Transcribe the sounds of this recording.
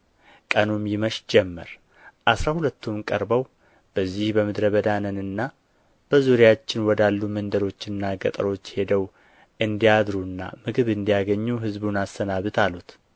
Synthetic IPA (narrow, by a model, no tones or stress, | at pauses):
kʼənumjɪməʃd͡ʒɛmːə̰ɾ | ʔasɾahulət̪ʰːumkʼəɾbəw | b̥əzːihbəmɨd̪ɾəβəd̪anənɨnːa | b̥əzuɾejat͡ʃːɪnwɔd̪alːumənd̪əɾo̞t͡ʃːɨnːaɡət̪ʼəɾo̞t͡ʃːhe̞d̪əw | ʔɨnd̪ijad̪ɾuɨnːa̰mɨɡɨβɨnd̪ijaɡəɲːuɦɨzbunast̪ənaβɨt̪ʰalut̪